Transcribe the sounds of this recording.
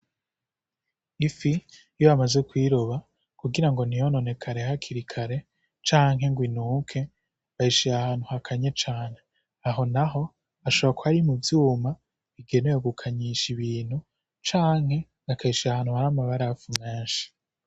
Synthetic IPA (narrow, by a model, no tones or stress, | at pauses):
ifi | joamaze̞kwiːɾoβa | kuɡiɾaŋɡo̞nijono̞ne̞kʰaɾe̞hakʰiɾikʰaɾe̞ | t͡ʃaːŋɦe̞ŋɡwinuːkʰe̞ | βaiʃijahaːnhuhakʰaɲet͡ʃaːne̞ | aɦo̞naɦo̞ | aʃo̞βakoaɾimuvjuːma | βiɡe̞ne̞joɡukʰaɲiʃiβiːn̥hu | t͡ʃaːŋ̥he̞ | akʰaiʃiahaːn̥huhaɾamaβaɾafume̞ːnʃi̥